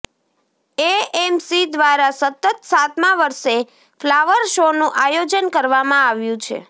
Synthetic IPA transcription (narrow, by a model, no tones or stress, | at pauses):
eemsid̪ʋaɾasət̪ət̪sat̪mãʋəɾʃe | flaʋəɾʃonũʔajod͡ʒənkəɾʋamãaʋjũt͡ʃʰḛ